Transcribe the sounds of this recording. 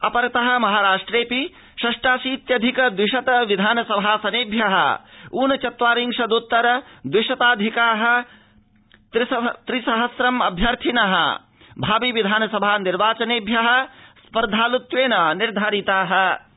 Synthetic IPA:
ɐpɐɾt̪ɐɦɐ̆mɐɦaːɾaːʂʈɾeːpi | ʃɐʂʈaːsiːt̪jɐd̪ʱikɐd̪wiʃɐt̪ɐʋid̪ʱaːnɐsɐbʱasɐneːbʱjɐɦɐ̰uːnɐt͡ʃɐt̪ʋaːɾiŋʃɐd̪ut̪ːɐɾɐd̪wiʃɐt̪aːd̪ʱikaːɦɐ̆ | t̪ɾist̪ɾisɐɦɐsɾɐmɐbʱjɐɾt̪ʰinɐɦɐ̰ | bʱaːbiʋid̪ʱaːnɐsɐbʱaːniɾʋaːt͡ʃɐneːbʱjɐɦɐ̆spɐɾd̪ʱaːlut̪ʋeːnɐniɾd̪ʱaɾit̪aːɦɐ̆

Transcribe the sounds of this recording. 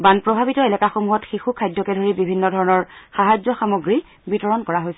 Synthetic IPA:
banpɹɔbʱabitɔelɛkaxomuɦɔtxixukʰajdʱːɔkɛdʱoɹibibʱinːɔdʱɔɹɔnɔɹxaɦad͡ʒzɔxamoɡɹi | bitɔɹɔnkɔɹaɦojsɛ

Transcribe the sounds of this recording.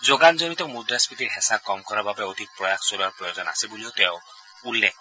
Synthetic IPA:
zoɡanzonit̪ɔmud̪ɾaspit̪iɹɦɛsakɔmkɔɹababɛod̪ik̚pɹɔjakʰsoɾiaɹpɹɔjozɔna̰sebuliot̪eʊ̃ | ulːek̚ʰ

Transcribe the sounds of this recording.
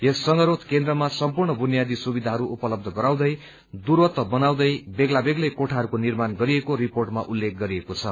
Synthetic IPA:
esːʌŋɡʌɾot̪kẽnd̪rʌmasʌmpurɳʌbʱunjad̪isubid̪ʱaɦʌɾuʔupʌlʌb̚d̪ʱʌɡʌɾaw̃d̪ʌj | d̪urwʌt̪ːʌbʌnaw̃d̪ʌjbeɡlabeɡlʌkoʈʰaɦʌɾukonirmanɡʌɾiekoɾiporʈmaʔulːek̚ɡʌɾiekot͡sʰʌ

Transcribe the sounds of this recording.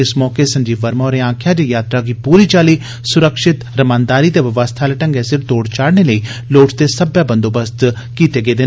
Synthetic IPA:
ɪsmɔːkesə̃ɲd͡ʒiːʋəɾmaoɾeãːkʰjaːd͡ʒeːjaːt̪ɾaːɡipuːɾiːt͡ʃaːliː | sʊɾəkʃɪt̪ɾəmãːnd̪aːɾiːt̪eːʋəʋəst̪ʰaːleʈəŋɡesɪɾt̪oːɽt͡ʃaːɽneləiː | loːʈt̪esəbjaːbənd̪oːbəst̪ | kiːt̪eːɡeːd̪ɪ

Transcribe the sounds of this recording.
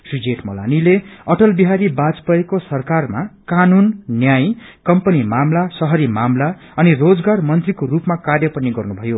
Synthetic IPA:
sid͡zeʈmʌla̰nileʌʈʌlbiɦaɾibad͡zpʌekosʌrkarmakanunːjajkʌmpʌnimamlasʌɦʌɾimamla | ʌnirod͡zɡarmʌnt̪rikorupmakarjʌpʌniɡʌrnubʱʌjo

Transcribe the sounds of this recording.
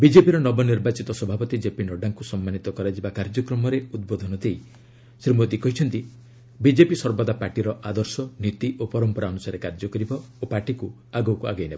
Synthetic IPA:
bid͡ʒepiɾɔnɔbɔniɾbat͡ʃit̪ɔsɔbʱapɔt̪id͡ʒepinɔɖaŋkusɔmːanit̪ɔkɔɾad͡ʒibakaɾd͡ʒɔkɾɔmɔɾeud̪̚bod̪ʱɔnɔd̪ej | sɾimod̪ikɔɦit͡ʃʰɔnt̪i | bid͡ʒepisɔɾbɔd̪apaɾʈiɾɔʔad̪ɔɾsɔnit̪iʔopɔɾɔmpɔɾaɔnusaɾekaɾd͡ʒɔkɔɾibɔ | opaʈiku | aɡɔkuaɡajnebɔ

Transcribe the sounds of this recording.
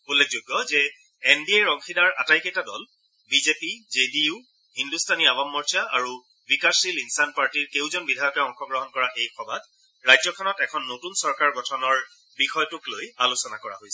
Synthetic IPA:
ulːek̚zoɡːɔzɛ | ɛnbiejɹɔŋxʰidaɹa̰tajkɛtadɔ̰l | bizepizediʊ | hindustʰaniabamːɔɹtʰiaʔa̰ɹu | wikaɹsilinsanpaɹtiɹkewzɔnbidʱajɔkɛɔŋxɔɡɹɔɦɔnkɔɹaejkʰɔbʱat̚ | ɹajzɔkʰɔnɔtɛkʰɔnːotunsɔɹkaɹɡɔtʰɔnɔɹ | bixɔjɔtuklojalusɔnakɔɹa̰ɦojsɛ

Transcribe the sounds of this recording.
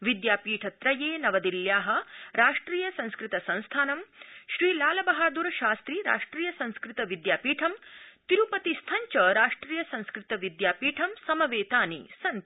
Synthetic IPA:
ʋid̪jaːpiːʈʰɐt̪ɾɐjeːnɐʋɐd̪iljaːɦɐ̆ɾaːʂʈɾiːjɐsɐ̃nskɾɪt̪ɐsɐ̃ñst̪ʰaːnɐmʃɾiːlaːlɐbɐɦaːd̪uɾɐʃaːst̪ɾiɾa̰ːʂʈɾiːjɐsɐ̃nskɾɪt̪ɐʋid̪jaːpiːʈʰɐmt̪iɾupɐt̪ist̪ʰɐɲt͡ʃɐɾaːʂʈɾiːjɐsɐ̃nskɾɪt̪ɐʋid̪jaːpiːʈʰɐmsɐmɐʋeːt̪aːnḭsɐn

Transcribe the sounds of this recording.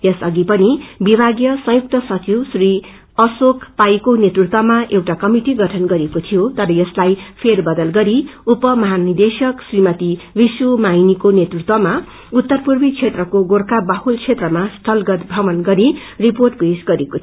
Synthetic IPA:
jʌsʌɡipʌnibibʱaɡjʌsʌ̃juk̚t̪ʌsʌt͡siwsri | ʌsokʰpajkonet̪rut̪wʌmaʔewʈakʌmiʈiɡʌʈʰʌnɡʌɾekot̪ʰijot̪ʌɾʌjʌslajpʰerbʌd̪ʌlɡʌɾiupʌmʌɦanid̪esʌksrimʌt̪ibiswomajnikonet̪rut̪wʌma | ut̪ːʌrpurbit͡sʰet̪rʌkoɡorkabahult͡sʰet̪rʌmasʈʰʌlɡʌt̪bʱʌmʌnɡʌɾi | riporʈ̚pesɡʌɾekot̪ʰ

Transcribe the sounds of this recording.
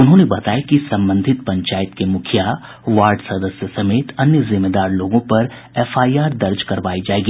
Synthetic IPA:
ʊnɦõːnebɐt̪aːjekisɐ̃mbə̃nd̪ʱɪt̪̚pɐ̃ɲt͡ʃaːɪt̪kemʊkʰja | ʋaːɾɖsɐd̪əsjəsɐmeːt̪ɐnjəzɪmːeːd̪aːɾloːɡõpɐɾ | ɛːfaːijaːɾd̪ɐɾd͡ʒkɐɾʋaːid͡ʒaːeːɡiː

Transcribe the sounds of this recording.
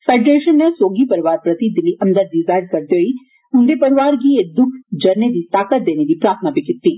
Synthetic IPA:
feːɖɾeːʃənːesoːɡipɐɾiʋaːɾpɾɐt̪id̪ɪliʔɐmd̪əd̪̚dizaːjɾɖ̚kɐɾt̪joːi | ʊnd̪epɐɾɪʋaːɾɡied̪ʊkʰd͡ʒɐɾned̪it̪aːkət̪̚d̪eːned̪ipɾaːɾt̪ʰənaːpikɪt̪ːi

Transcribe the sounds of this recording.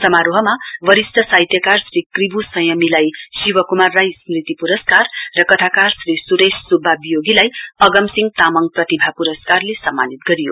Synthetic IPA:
sʌmaɾoɦʌmaʋʌɾisʈ̪ʰʌsajt̪jʌkarsrikribʱusʌjʌmilajsiwʌkumarːajsmrit̪ipuɾʌskarːʌkʌt̪ʰakarsrisuɾesːubʱːabijoɡilajʌɡʌmsiŋɡ̚t̪amʌŋprʌt̪ibʱapuɾʌskarlesʌmːa̰nit̪̚ɡʌɾijo̰

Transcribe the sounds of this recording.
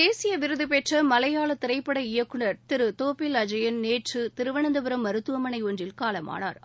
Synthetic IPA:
eːsɪjɐʋɪɾɯðɯpeʈrɐmɐlɐjaːlɐt̪ɪɾɐɪpːɐɽɐɪjɐkːɯɳɐɾt̪ɪɾɯt̪oːpɪlɐd͡ʒɐjɐnneːʈrɯt̪ɪɾɯʋɐɳɐnd̪ɐpɯɾɐmːɐɾɯt̪ːɯʋɐmɐnɐɪoɳdrɪlkaːlɐma̰ːna̰ːɾ

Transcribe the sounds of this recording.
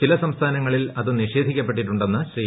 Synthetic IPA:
t͡ɕilɐsɐmst̪ʰaːnɐŋːɐɭilɐðɨniɕe̞ːd̪ʱikʲːɐp̬ːe̞ʈ̬ːiʈːuɳɖenːɐɕriː

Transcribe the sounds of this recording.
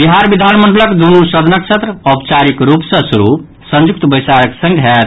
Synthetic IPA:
biɦaɾbid̪ʱanməɳɖələkd̪unusəd̪ʱnək̚t͡ʃʰet̪ɾəɔpt͡ʃaɾikɾupsə̃suɾu | sə̃nd͡ʒuk̚t̪bəjsaɾəksə̃ŋɡɦɛt̪

